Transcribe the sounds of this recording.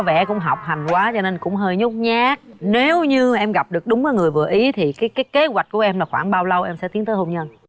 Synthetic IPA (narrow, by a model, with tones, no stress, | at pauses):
vɛ̰˧˩kʊ̰˧˥ŋ͡mɦa˨˩wk͡p̚ɦa˨˩jŋ̟kwaː˨˦t͡ɕɔ˧ne˧nkʊ̰˧˥ŋ͡mɦəː˧jɲʊ˦˥k͡p̚ɲaː˦˥k̚ne˨˦wɲɨ˧ʔɛ˧mɣa˨˩p̚ɗɨ˨˩ək̚ɗʊ˨˦ŋ͡məː˨˦jŋɨ˨˩əjvɨ˨˩əʔi˨˦t̪ʰi˨˩kaː˨˦jkaː˨˦jke˨˦zwa˨˩k̟̚ku˧˩əʔɛ˧mlaː˨˩xwa̰ː˧˩nɓaː˧wlə˧wʔɛ˧msɛ̰˧˥t̪i˨˦ət̪ːho˧ŋ͡mɲə˧n